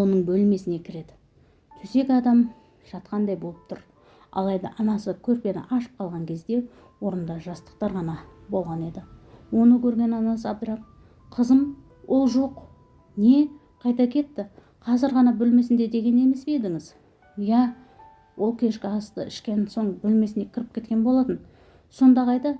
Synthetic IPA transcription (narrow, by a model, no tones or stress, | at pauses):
o̞nəɴbɵlme̞sɪne̞kʲʰɪɾe̞d̪ɪ | t̪ʰʏse̞kʲɑd̪ɑm | ʒ̥ɑt̪qɑnd̪ɑjbo̞lˠəp̚t̪ʰʊɾ | ɑ̰lˠɑjd̪ɑ̰ʔɑnɑsəkʲʰɵɾpʲe̞nɪ̰ʔɑʃə̥p̚qʰɑlˠʁɑŋkʲʰe̞zd̪e̞ | wo̞ɾənd̪ɑʒɑst̪ə̥q̚t̪ɑɾʁɑnɑbo̞lˠʁɑne̞d̪ɪwo̞nəkʲʰɵɾɡʲe̞nɑnɑsəɑb̚d̪ɾɑp̚ | qʰəzəm | wʔo̞lˠʒo̞q | ne̞ | qʰɑjt̪ɑkʲʰe̞t̪ːɪ | qʰɑzɪɾʁɑnɑbɵlme̞sɪnd̪e̞d̪e̞ɡʲe̞ne̞me̞sbed̪ɪŋɪz | jæ | wʔo̞lˠkʲʰe̞ʃkʲɪɑst̪ə̰ɪʃkʲe̞nso̞ɴbɵlme̞sɪnd̪e̞kʲʰɪɾɪpkʲʰe̞t̪kʲe̞nbo̞lˠɑt̪ən | so̞nd̪ɑʁɑjd̪ɑ